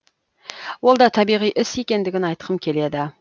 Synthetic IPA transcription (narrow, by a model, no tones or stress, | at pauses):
wo̞lˠd̪ɑt̪ʰɑbijʁijʔɪse̞kʲe̞nd̪ɪɡʲɪnɑjt̪qʰəmkʲʰe̞le̞d̪ɪ